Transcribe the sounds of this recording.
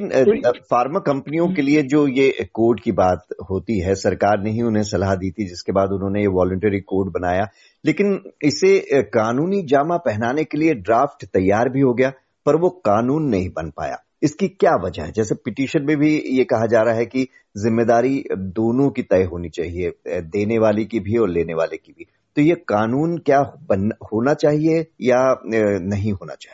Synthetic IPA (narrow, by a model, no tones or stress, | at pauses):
nfaːɾmakɐ̃mpniõkelied͡ʒoːjekoːɾɖkibaːt̪ɦoːt̪iɦɛsɐɾkaːɾneɦĩʊnɦẽsɐlaɦd̪iːt̪id͡ʒɪskebaːd̪ʊnɦõnejeʋɔːlʊ̃ɳʈɛɾikoːɾɖ̚bɐnaːjaː | leːkɪnɪsekaːnuːnid͡ʒaːmapɛɦnaːnekelieɖɾaːfʈt̪ɐjːaːɾbʱiɦoɡɐjaː | pɐɾʋoqaːnuːnːɐɦĩbɐnpa̰ːja̰ː | ɪskikjaːʋɐd͡ʒə̰ɦɛd͡ʒɛːsepɪʈiːʃənmẽbʱijekɐɦad͡ʒaːɾaɦɛki | zɪmːeːd̪aːɾid̪oːnõkit̪ɛːɦoːnit͡ʃa̰ːɦied̪eːneʋaːlekibʱiɔːɾleːneʋaːlekibʱi | t̪ojeqaːnuːnkjaːbɐnhoːnat͡ʃaːɦiejanɐɦĩɦoːna̰t͡ʃḁːɦi